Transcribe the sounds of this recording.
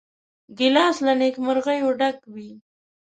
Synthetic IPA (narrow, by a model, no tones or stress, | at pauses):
ɡɪlɑslanekmʊɾɣajoɖakwi